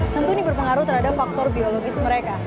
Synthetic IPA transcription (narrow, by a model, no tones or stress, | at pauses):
t̪ənt̪unibərpəŋaɾut̪ərhadap̚fak̚t̪ɔrbioloɡɪsməɾeka